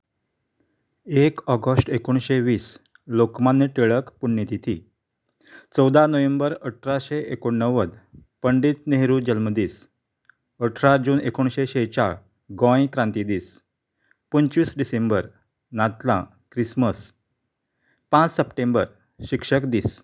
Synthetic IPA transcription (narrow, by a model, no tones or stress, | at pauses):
ekɔɡəsʈekoɳ̃ɕeʋiːs | lokmanːeʈeɭəkpuɳjət̪it̪ʰi | t͡səwd̪anəʋembəɾəʈʰɾaɕeekoɳnːəʋəd̪pəɳɖiːt̪neɦɾuːd͡ʑəlməd̪iːs | əʈʰɾad͡ʑuːnekoɳɕeɕet͡ɕaɭ | ɡɔ̃jkɾãnt̪id̪iːs | pənt͡ɕʋiːsɖisembəɾ | nat̪lã̰ | kɾisməs | pãt͡ssəpʈẽmbəɾ | ɕikʂəkd̪iːs